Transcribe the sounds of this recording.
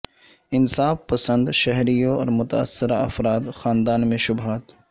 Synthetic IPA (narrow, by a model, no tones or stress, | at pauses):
ɪnsaːfpɐsə̃nd̪ʃɛɦɾijõɔ̰ːɾmʊt̪ɐɐ̰sːɪɾaɐ̰fɾaːd̪xaːnd̪aːnmẽʃʊbɦaːt̪